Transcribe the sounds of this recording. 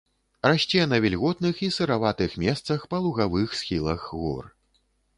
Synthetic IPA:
raʃt͡sʲɛnɐvʲɛlʲɣɔt̪nɨxisɨɾavat̪ɨxmʲɛst̪sɐxpɐlˠuɣavɨxsxʲilˠɐxɣɔ̰r

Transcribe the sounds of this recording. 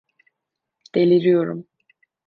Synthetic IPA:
d̪̥elʲiɾijo̞ɾṵm

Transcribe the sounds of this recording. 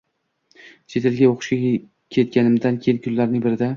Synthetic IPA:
t͡ʃʰet̪ʰɪlɡʲaoqɨ̥ʃʲa | kʲʰe̞t̪̚kʲanɪmd̪ankʲʰejɪnkʲʰʊllaɾnɪŋbɪɾɪd̪a

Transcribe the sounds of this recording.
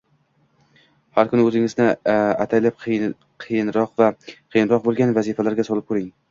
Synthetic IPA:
haɾkʰʊnɪɵzɪŋɪznɪat̪ʰajlap̚ʰ | qʰɨjɪnɾɒqvaqʰɨjɪnɾɒq̚bolˠɡʲanvazifalaɾɡʲasɒlˠɪp̚kʰɵɾɪŋ

